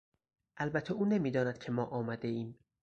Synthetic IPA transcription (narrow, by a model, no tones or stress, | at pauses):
ʔælbæt̪ʰeuːnemiːd̪ɒːnæd̪̥̚cʰemɒːʔɒːmæd̪e̞iːm